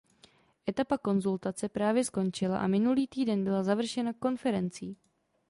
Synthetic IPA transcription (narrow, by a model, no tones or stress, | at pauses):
ʔɛt̪apako̞nzult̪at͡sɛpɾaːvjɛsko̞nt͡ʃɪla̰ʔa̰mɪnuliːt̪iːdɛnbɪlazavr̩ʃɛnako̞nfɛɾɛnt͡siː